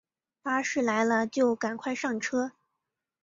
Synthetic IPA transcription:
pa˥ʂɻ̩˥˩la˧˥ɪlə˧t͡ɕjo˥˩ʊka˨˩nkʰwa˥˧ɪʂɑ˥˩ŋʈ͡ʂʰɤ˥

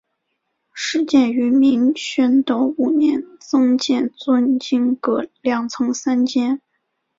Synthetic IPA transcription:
ʂɻ̩˥˧t͡ɕjɛ˥˩ny˧˥mi˧˥ŋɕɛ˥nt̪o˧˥ʊu˨˩njɛ˥˩nt͡sɤ˥ŋt͡ɕjɛ˥˧nt͡swə˥nt͡ɕi˥ŋkɤ˧˥˩ljɑ˨˩ŋt͡sʰɤ˧˥ŋsa˥nt͡ɕjɛ˥n

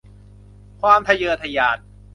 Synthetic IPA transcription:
kʰwaː˧mt̪ʰa˧jɤː˧t̪ʰa˧jaː˧˩t̪̚

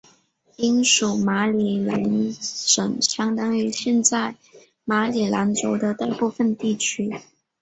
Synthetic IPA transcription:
i˥nʂu˨˩ma˧˥li˨˩la˧˥nʂə˨˩ŋɕjɑ˥ŋt̪ɑ˥ŋy˧˥ɕjɛ˥˧nt͡sa˥˩ɪ | ma˧˥li˨˩la˧˥nʈ͡ʂo˧˥ʊd̪ə˧t̪a˥˧pu˥˧fə˧nt̪i˥˩t͡ɕʰy˥

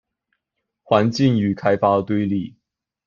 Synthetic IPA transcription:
xwa˧˥nt͡ɕi˥˩ŋy˨˩kʰa˥ɪpa˥ʊt̪we˥ɪli˥˩

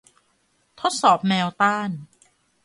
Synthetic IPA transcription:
t̪ʰo˦˥t̪̚sɔː˨˩p̚mɛː˧wt̪aː˥˩n

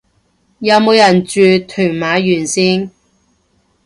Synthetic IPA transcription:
jɐ˨˧wmo˨˧wjɐ˨˩nt͡ʃyː˧t̪ʰyː˨˩ŋmaː˨˧˥jyː˨˩nsiː˥n

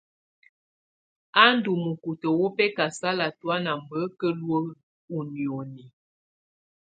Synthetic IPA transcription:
a˦n˦du˨mə˨ku˨tə˨wo˦pɛ˦ka˨sa˦la˨twa˦na˨m˨bə˨˦kə˦lwə˦ | u˨ni˨o˨ni˨

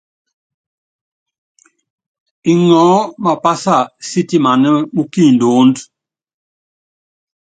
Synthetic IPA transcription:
i˨ŋɔ˨˦ma˨pa˦sa˦˨si˦ti˦ma˨nɛ˦mu˦ki˦˨n˨do˨˦nd

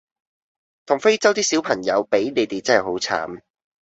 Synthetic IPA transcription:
t̪ʰʊ˨˩ŋfe˥jt͡sɐ˥wt̪iː˥si˨˥wpʰɐ˨˩ŋjɐ˨˧wpe˨˥jne˨˧jt̪e˨t͡sɐ˥nhɛ˨jho˨˥wt͡sʰa̰ː˨˥m

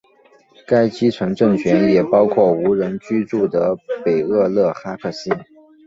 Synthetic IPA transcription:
ka˥ɪt͡ɕi˥t͡sʰwə˧˥nʈ͡ʂɤ˥˩ŋt͡ɕʰɥɛ˧˥njɛ˨˩pɑ˥ʊkʰwɔ˥˩u˧˥ɻə˧˥nt͡ɕy˥ʈ͡ʂu˥˩d̪ə˩pe˨˩ɪɤ˥˧lɤ˥˩xa˥kʰɤ˥˩ɕi˥n

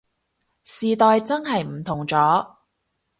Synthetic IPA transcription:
siː˨t̪ɔː˨˧jt͡sɐ˥nɦɐ˨jm̩˨˩t̪ʰʊ˨˩ŋt͡sɔː˨˥

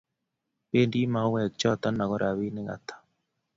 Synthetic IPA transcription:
pe˦ndi˦ma˨˦wɛ˨k̚t͡ʃɔ˦˨tɔ˦na˨ɣɔ˦ɾa˨βi˦nɪ˦ɣa̰˨t̪ḁ˨

